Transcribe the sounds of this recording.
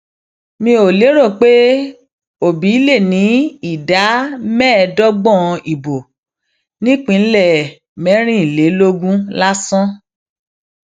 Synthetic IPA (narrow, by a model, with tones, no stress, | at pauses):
mĩ˧˦o˨le˨˦ɾo˦˨k͡pe˦ | o˦˨bi˨˦le˦˨nĩ˨˦i˦˨da˨˦mɛ̃˦˧dɔ˦ɡ͡bɔ̃˦˨˧i˨bo˨ | nĩ˦k͡pĩ˨˧˦lɛ˦˨ | mɛ̃˨˦ɾ̃ĩ˦i˨le˨˦lo˦ɡũ˦la˦sɔ̃˦